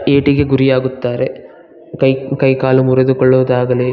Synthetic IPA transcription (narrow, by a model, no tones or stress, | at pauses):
eːʈiɡe̞ɡuɾijaːɡut̪ːaːɾe | kɐjkɐjkaːlumuɾed̪ukɔɭːuʋɐd̪aːɡɐleː